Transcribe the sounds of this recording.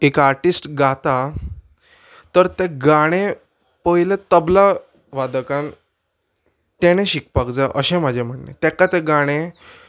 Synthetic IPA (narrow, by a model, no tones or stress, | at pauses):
ekaɾʈisʈɡat̪a | t̪əɾt̪eɡaɽ̃e | pəɦilet̪əbla | ʋad̪kãn | t̪eɽ̃eɕik̚pakd͡zaʔəɕẽm̤ad͡ʑʱem̤əɳnḛt̪ɛ̃kat̪eɡaɽ̃ẽ